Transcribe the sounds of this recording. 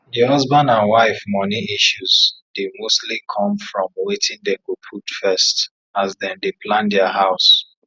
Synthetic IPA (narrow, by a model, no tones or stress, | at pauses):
diɔzbãnãnwaɪfmɔniiʃuzdemostlikʰɔ̃mfɹɔ̃mwetʰĩndekupʰutfɛst | azðɛ̃ndeplãndɛəɦaʊs